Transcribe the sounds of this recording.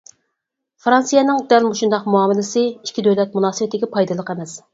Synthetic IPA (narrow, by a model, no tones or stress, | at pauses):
fɾɑnsijɛnɨŋd̪ɛlmoʃund̪ɑqmuɑːmɪlɪsɪikʲʰːid̪øwlɛt̪̚munɑːsɨwɛt̪ʰːɪɡʲɛpʰɑjd̪ɨlˠəqemɛs